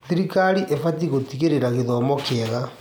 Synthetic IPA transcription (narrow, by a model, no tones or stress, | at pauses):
θiɾikaɾiʔefatiɣotiɣeɾeɾaɣeðɔːmɔkɛɣa